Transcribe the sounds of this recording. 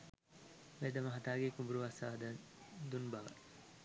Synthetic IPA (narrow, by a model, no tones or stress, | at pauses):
ʋed̪əmɐɦɐt̪aːɡekubuɾuʋasaːd̪əd̪unbɐʋə̰